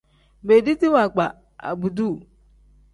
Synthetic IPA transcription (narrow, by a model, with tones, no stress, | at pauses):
be˨di˦ti˦wa˨ɡ͡ba˨ | a̰˨bu˨du˦˨